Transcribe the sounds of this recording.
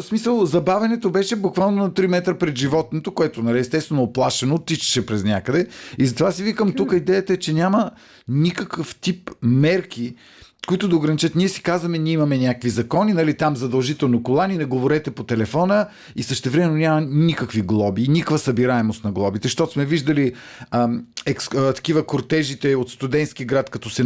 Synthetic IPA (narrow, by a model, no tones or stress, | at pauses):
smisəlˠzɐbavʲɐnɛt̪obɛʃɛbukvalˠnonɐt̪ɾimɛt̪ɾəpɾɛd̪ʒivɔt̪̚not̪okoɛt̪onɐliɛst̪ɛst̪vɛnoːplˠaʃɛnoːt̪ːiʃɛ̥ʃɛpɾɛznʲakəd̪ɛizɐt̪ovasivikəmt̪ukəid̪ɛjət̪əɛt͡ʃɛnʲamə | nʲikəkəft̪ipmɛɾk̟i | koit̪ʊd̪ɐoʊɡɾɐnʲit͡ʃɤt̪nʲiɛsi̥kazvɐmɛnʲiimɐmɛnʲakkvizɐkɔninɐlit̪amzɐd̪ɐlˠʒit̪ɛlˠnokolˠaninɛɡovoɾɛt̪ɛpot̪ɛlɛfɔnə | isəʃt̪ɛvɾɛmɛnːonʲamɐnikəkviɡlˠɔbiːnʲikəkvəsɐbiɾaɛmost̪nɐɡlˠɔbit̪ɛʃt̪ɔt̪ʊsmɛviʒd̪ɐli | ɛkst̪ɐ̥kivəkoɾt̪ɛʒit̪ɛot̪st̪ʊd̪ɛnt̪skʲiɡɾat̪kɐt̪ɔsɛ